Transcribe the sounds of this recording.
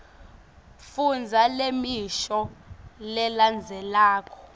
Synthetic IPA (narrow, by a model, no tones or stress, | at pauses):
fund͡zʱalemiʃɔlɛland͡zʱɛlaːk̬ʰʼɔ̥